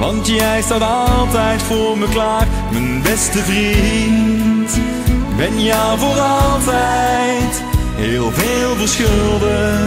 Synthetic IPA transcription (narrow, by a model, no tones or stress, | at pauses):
ʋɑntjɛjstaːtɑlˠtɛjtfʊːɹməklaːχ | mənbɛstəvrint | bɛnjɛvoːɾɑlˠtɛjt | ɦeːlˠveːlˠvəɹsxølˠdə